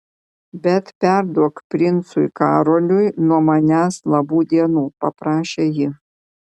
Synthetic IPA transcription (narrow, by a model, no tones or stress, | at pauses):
bʲɛt̪pʲæɾd̪uɔkpʲɾʲɪnt̪sʊjkɑːɾolʲʊjnuɔmɐnʲæːslˠɐbuːd̪ʲiɛnuːpɐpɾɑːʃʲejɪ